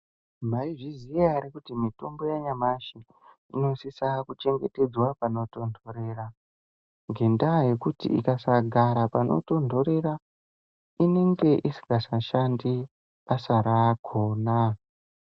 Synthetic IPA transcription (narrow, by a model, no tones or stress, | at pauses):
maiʐizijaːɾikutimito̞mbo̞jaɲamaʃi | ino̞sisakut͡ʃe̞ŋɡete̞d͡zwapano̞to̞ndʱo̞ɾe̞ra | ŋɡendaje̞kutḭḭkasaɡʱaɾapano̞̰to̞ndʱo̞ɾe̞ra | ine̞ŋɡe̞ʔisi̥ɡasaʃandi | asaɾaɡʰʱoːna